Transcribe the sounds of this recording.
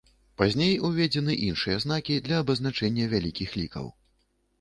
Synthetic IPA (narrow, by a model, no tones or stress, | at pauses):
pazʲnʲejuvʲɛd͡zʲɛnɨʔinʂɨjɐzn̪akʲid̪lʲɐːbɐznat͡ʂɛnʲːɐvʲalʲikʲixlʲikɐ̰w